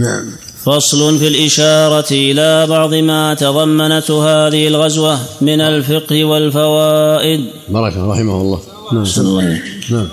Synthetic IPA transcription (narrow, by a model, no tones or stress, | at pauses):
naʕm | fɑsˤlʊnfiːlʔɪʃɑːɾˤɑʔɪlaːbɑʕd̪ˤɨmaːt̪ɑðˤɑmːanat̪haːðɪhɪlɣazwamɪnalfɪqhɪwalfawaːʔɪd̪ | bɑɾˤɑkaɾˤɑħɪmahlˤːɑː | sanlːɑːleːknaʕm